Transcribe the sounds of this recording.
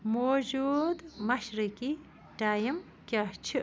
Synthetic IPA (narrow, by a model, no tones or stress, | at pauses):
moːd͡ʒud̪mɐʃɾiki | ʈaːjim | kʲaht͡ʃʰi